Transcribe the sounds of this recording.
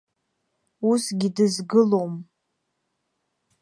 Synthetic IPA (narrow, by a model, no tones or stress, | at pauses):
usɡʲidɨzɡɨlo̞m